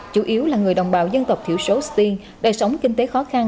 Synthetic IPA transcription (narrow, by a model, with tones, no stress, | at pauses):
t͡ɕṵ˧˩˦ʔi˨˦əwlaː˨˩ŋɨ˨˩əjɗə̰˨˩wŋ͡mɓa̰ː˧˨wzə˧nt̪ə˨˩k͡p̚t̪ʰḭ˧˩əwso˨˦st̪i˧n | ɗəː˧˩sə˨˦wŋ͡mkï˧ŋ̟t̪e˨˦xɔ˨˦xa˧n